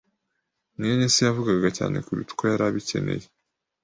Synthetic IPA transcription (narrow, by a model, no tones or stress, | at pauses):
nijnesijavuɡaɡaca̰ːne̞̰kuɾṵtu̥kojaɾaβice̞̰ne̞̰je